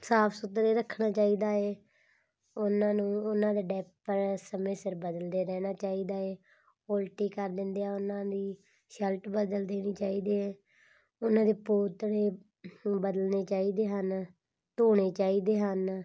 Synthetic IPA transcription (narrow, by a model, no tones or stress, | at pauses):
saːpʰsʊt̪ɾeːɾəkʰːɽaːt͡ʃaːiːd̪aːeː | ʊnãːnũːʊnãːd̪eːɖɛːppːəɾsəmeːsəɾbəd̪əld̪eːɾɛːñaːt͡ʃaːiːd̪aːeː | oːlʈiːkəɾd̪ɪnd̪ejaːʊnãːd̪iː | ʃɛlʈbəd̪əld̪eːniːt͡ʃaːiːd̪eːeː | ʊnãːd̪eːpoːt̪ɽeː | bəd̪əlneːt͡ʃaːiːd̪eːɦən | t̪oːɽeːt͡ʃaːiːd̪eːɦən